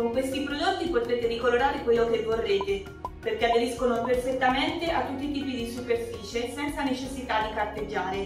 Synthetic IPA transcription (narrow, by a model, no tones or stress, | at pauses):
koŋkwest̪ipɾod̪ot̪ːipot̪ɾeːt̪eɾikoloɾaːɾekwelːokevːorːeːt̪e | perk̟ead̪eɾiskonoperfet̪ːament̪eʔat̪ːut̪ːit̪iːpid̪isuperfiːt͡ʃesɛnt̪sanet͡ʃesːit̪ad̪ikart̪ed͡ʒːaːɾe